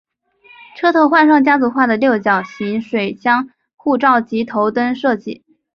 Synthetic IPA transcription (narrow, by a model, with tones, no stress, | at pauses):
ʈ͡ʂʰɤ˥t̪ʰo˧˥ʊxwa˥˧nʂɑ˥˩ŋt͡ɕja˥t͡su˧˥xwa˥˩d̪ə˩ljo˥˩ʊt͡ɕjɑ˨˩ʊɕi˧˥ŋʂwe˨˩ɪt͡ɕjɑ˥ŋ | xu˥˧ʈ͡ʂɑ˥˩ʊt͡ɕi˧˥t̪ʰo˧˥ʊt̪ə˥nʂɤ˥˧t͡ɕḭ˥˩˦